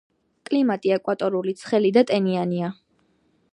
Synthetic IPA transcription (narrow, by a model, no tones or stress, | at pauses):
kʼlimat̪ʼiɛkʼwat̪ʼɔɾulit̪sʰχɛlid̪at̪ʼɛniania